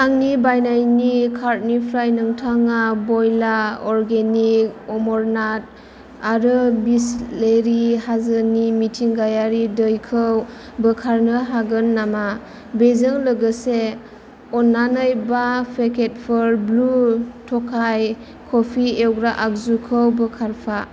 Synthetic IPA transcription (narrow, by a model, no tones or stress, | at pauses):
aŋnibajnajnikʰaɾt̚nipʰɾajnɯŋtʰaŋabɔjlaɔɾɡenik̚ɔmɔɾnat̚ | aɾɯbisleɾihazənimitʰiŋɡajaɾidəjkʰɯw | bəkʰaɾnɯɦaɡɯnːama | bezɯŋlɯɡɯse | ɔnːanɯjbapʰekʰet̚pʰɯɾblutʰɔkʰaj | kʰɔpʰiewɡɾaʔak̚zukʰəwbəkʰaɾpʰa